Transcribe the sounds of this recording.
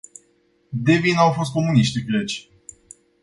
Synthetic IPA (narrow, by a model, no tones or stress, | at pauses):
d̪evinawfo̞s̬t̪̚ko̞muniʃt̪ivlet͡ʃʲ